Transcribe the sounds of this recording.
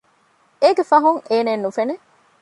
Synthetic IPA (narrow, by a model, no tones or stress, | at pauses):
eɡefɐɦuŋeːneːnːufene